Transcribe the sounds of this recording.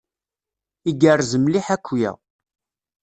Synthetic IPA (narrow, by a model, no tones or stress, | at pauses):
iɡərːzəmliħækʷːjæ̰